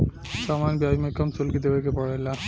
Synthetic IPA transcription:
ʃɔmanbiaimekʰɔmsolkid̪ebekepɔɽejla

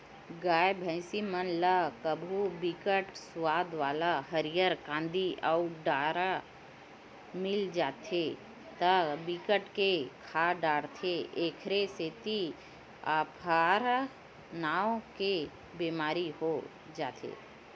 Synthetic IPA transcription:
ɡaːjbʱə̃ɪ̃simənləkəbʱubikəʈswaːd̪ʋaːlaɦəɾijəɾkãːnd̪iʔauɖaːɾa | mɪld͡ʒaːt̪ʰe | t̪əbikəʈkekʰaːɖaːɽt̪ʰeeːkʰɾeseːt̪i | aːpʰaːɾ | naːwke | beːmaːɾiɦo | d͡ʒaːt̪ʰḛː

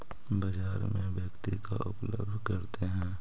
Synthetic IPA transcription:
bɐd͡ʒaːɾmẽʋjəkt̪ika̰ʊplə̰bd̪ʱkɐɾt̪eɦɛ̃ː

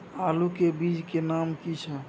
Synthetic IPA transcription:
alukebid͡ʒkenamkit͡ʃʰɛ

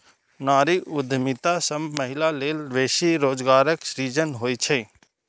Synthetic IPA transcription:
naːɾiʔʊd̪ʱmɪt̪asəmməɦɪlaleːlʋeːʃiɾoːd͡ʒɡaːɾəksɾiːd͡ʒənɦoːit͡ʃʰeː

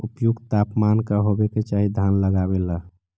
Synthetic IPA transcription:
upjuɡt̪apmankaɦobeket͡ʃaɦid̪ʱanləɡabela

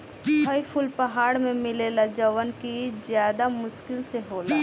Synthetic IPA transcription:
bʰʱəjpʰʊlpɐɦaːɽmẽmɪlelad͡ʒəʋənkid͡ʒjaːd̪amʊʃkɪlseɦoːlaː

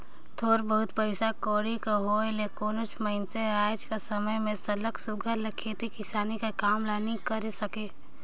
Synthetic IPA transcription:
t̪ʰoːɾbəɦʊt̪pəɪsakoːɾikaɦoːelekoːnʊt͡ʃʰməɪnseaːd͡ʒkasɐməjmẽsɐləksʊɡʱəɾlɐkʰːeːt̪ikɪsaːnikakaːmlaːnikəɾesɐkeː

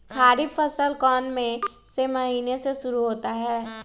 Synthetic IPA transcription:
kʰaːɾɪbfʰəsəlkɔːnmẽ | semɐɦiːneseʃʊɾuɦoːt̪aɦɛː

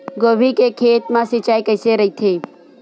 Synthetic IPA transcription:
ɡobʱikekʰeːt̪mãsit͡ʃaːikəɪseɾəit̪ʰeː

